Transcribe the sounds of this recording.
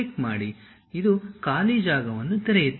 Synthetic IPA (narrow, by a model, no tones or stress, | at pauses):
ekmaːɽi | id̪ukaːlid͡ʒaːɡɐʋɐnːut̪ɐɾejit̪ː